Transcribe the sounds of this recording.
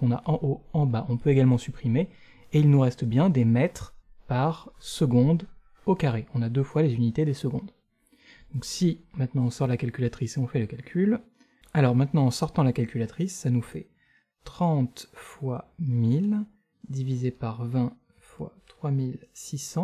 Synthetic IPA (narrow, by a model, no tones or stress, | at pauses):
kɔ̃naʔɑ̃ʔoɑ̃baʔɔ̃pøeɡalmɑ̃sypχime | eilnuʁɛst̪bjɛ̃d̪emɛt̪χpaʁsəɡɔ̃d̪ | okaʁeɔ̃nad̪øfwalezynit̪ed̪esəɡɔ̃d̪ | d̪ɔ̃ksimɛ̃t̪nɑ̃ɔ̃sɔʁlakalkʲylat̪χiseɔ̃fɛləkalkʲʰyl | alɔʁmɛ̃t̪nɑ̃ɑ̃sɔʁt̪ɑ̃lakalkʲylat̪χisːanufɛ | t̪χɑ̃t̪fwamil | d̪ivizepaʁvɛ̃ | fwa̰t̪χwamilsisɑ̃